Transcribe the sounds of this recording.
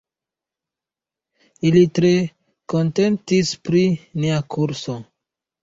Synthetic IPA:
ilitɾe̞ | ko̞nte̞ntispɾiniakʰuɾso̞

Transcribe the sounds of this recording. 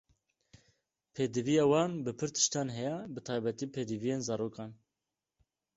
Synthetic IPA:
pʰeːd̪ɨvijɑːwɑːnbɨpʰɨɾt̪ʰɨ̥ʃt̪ɑːnɦɛjɛbɨt̪ʰɑːjbɛt̪iːpʰeːd̪ɨvijeːnzɑːɾoːkɑːn

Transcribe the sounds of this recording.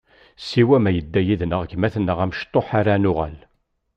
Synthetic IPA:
sːiwæmæjəd̪ːæjiðnəʁəçmæθnːəʁæmʃt̪ˤːoħaɾanʊʁæ̰l

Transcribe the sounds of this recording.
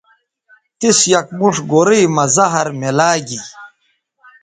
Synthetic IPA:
t̪isjɐk̚muʂɡoɾiːmɐzɐɦɐɾmelaːɡi

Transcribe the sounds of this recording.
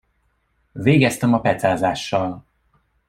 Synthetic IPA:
veːɡɛst̪ɛmɒpɛt̪saːzaːʃːɒl

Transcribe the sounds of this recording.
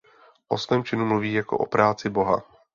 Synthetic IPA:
ʔo̞svɛːmt͡ʃɪnumluviːjako̞̰ʔo̰pɾaːt͡sɪbo̞ɦa̰

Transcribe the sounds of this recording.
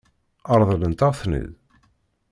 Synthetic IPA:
ɑɾˤðˤələnt̪aʁθnə̰ð

